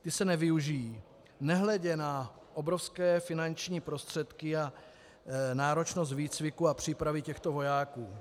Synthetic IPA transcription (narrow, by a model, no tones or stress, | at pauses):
t̪ɪsɛnɛvɪuʒɪjiː | nɛɦlɛɟɛna | ʔobɾofskɛːfɪnant͡ʃɲiːpɾo̞st̪r̝̥ɛt̪kɪa | naːɾot͡ʃnos̬t̪viːt͡svɪkuapr̝̥iːpɾavɪcɛxt̪ovo̞jaːkuː